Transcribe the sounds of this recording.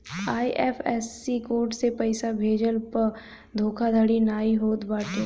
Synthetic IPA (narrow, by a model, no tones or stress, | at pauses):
aːiʔɛːpʰɛːsːikoːɾʈsepɐɪsabʱeːd͡ʒəlpə | d̪ʱoːkʰad̪ʱəɽinaːiɦoːt̪baːʈe